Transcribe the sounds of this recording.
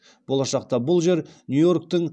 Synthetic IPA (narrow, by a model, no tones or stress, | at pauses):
b̥o̞lˠɑʃɑq̚t̪ɑbʊlˠʒe̞ɾnjujo̞rk̚t̪ɪŋ